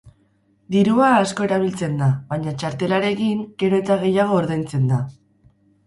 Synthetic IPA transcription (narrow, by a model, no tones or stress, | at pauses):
d̪iɾuaːsko̞e̞ɾaβ̞ilt͡se̞nd̪aβaɲat͡ʃaɾt̪e̞laɾe̞kiŋɡ̥e̞ɾo̞e̞t̪aɣ̞e̞jaɣ̞o̞ːɾðejnt͡se̞nd̪a